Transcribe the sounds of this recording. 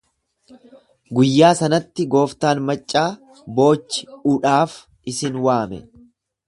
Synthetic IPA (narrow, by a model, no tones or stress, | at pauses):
ɡʊjːaːsɐnɐt̪ːɪɡo̞ːft̪aːnmɐt͡ʃʼːaː | bo̞ːt͡ʃːɪ̥ʊᶑaːf | ɪsɪnwaːmɛ̰